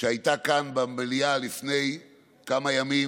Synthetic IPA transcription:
ʃeajt̪akanbamelialifne̞j | kamajami

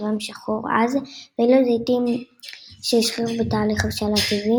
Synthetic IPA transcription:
vamʃaχoʁa̰zveilozet̪im | ʃeiʃχiʁbetaːliχavʃalatazi

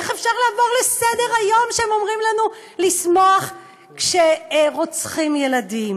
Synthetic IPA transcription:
eχefʃaʁlaːvo̞ʁlesede̞ʁajo̞mʃeemo̞mʁimlanu | lismoaχ | kʃeʁot͡sχimje̞ladim

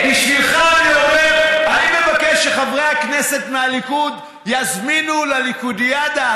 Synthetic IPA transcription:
iʃvilχaniomeʁaimevakeʃeχavʁejhaknese̞t̪mealikud̪ | jazminulalikud̪ijad̪a

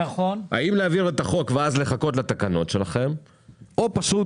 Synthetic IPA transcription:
ona̰imleaviʁe̞t̪aχo̞kveazle̞χako̞t̪lat̪akano̞tʃe̞laχe̞m | o̞paʃu

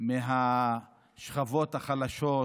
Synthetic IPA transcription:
meɦa | ʃχavo̞t̪haχalaʃo

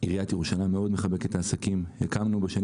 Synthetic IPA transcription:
iʁijat̪jeuʃalame̞o̞d̪meχabe̞ket̪aːsakimjakamnubeʃan

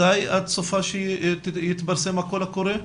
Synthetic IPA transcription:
ajʔad̪sofaʃejit̪baɾsemako̞lhakoɾe

